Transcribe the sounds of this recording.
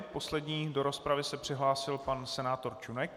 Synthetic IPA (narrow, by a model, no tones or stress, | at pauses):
po̞slɛdɲiːdo̞ɾo̞spɾavɪsɛpr̥ɪɦlaːsɪlpansɛnaːt̪o̞ɾt͡ʃunɛk̚